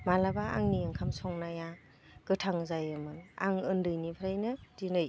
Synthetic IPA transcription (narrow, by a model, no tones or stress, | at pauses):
malabaa̰ŋnijaŋkʰamsɔŋnaja | ɡ̥ɯtʰaŋzajɯmɯna̰ŋɯndɯjnipʰaɾajnɯdinɯj